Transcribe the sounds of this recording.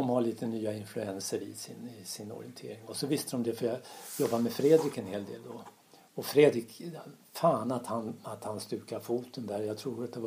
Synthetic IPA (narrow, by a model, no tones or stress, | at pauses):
ɔmhaɭiːt̪ənyːaɪnflɵɛnsəɾɪsɪnɪsɪnɔ̰ɾɪ̰ənt̪ʰeːɾɪŋɔsɔvɪst̪əd̪ɔmd̪ɛfœɾjɑjɔbːamɛfɾeːd̪ɾɪkɛnheːld̪ḛːld̪ɔ | ɔfɾeːd̪ɾɪkfaːnat̪hanat̪hanst̪ʉ̟ːkafuːt̪ʰənd̪æɾjaɡt̪ʰɾuːat̪̚d̪ɛ